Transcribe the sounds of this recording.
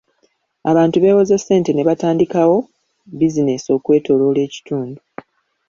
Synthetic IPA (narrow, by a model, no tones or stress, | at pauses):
aβaːntuβe̞ːwozesːe̞ːnte̞ne̞βataːndikawo̞ | bizine̞sio̞ːkwe̞ːto̞lo̞le̞ːci̥tuːndu